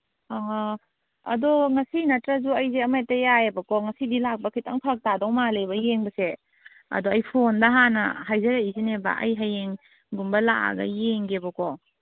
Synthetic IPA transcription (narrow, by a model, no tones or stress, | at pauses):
a | ɐ̰doŋɐsinɐtɾɐzuɐjzeɐmajtːɐjajebɐkɔŋɐsidilak̚bɐkʰitɐ̰ŋpʰak̚tadɔŋmalejbɐjeŋbɐse | ɐ̰doɐjpʰondɐɦanɐ̰ɦajzɐɾaizinebɐ̰ʔɐ̰jɦajeŋ | ɡumbɐlaʔa̰ɡɐ̰jeŋɡebɐkɔ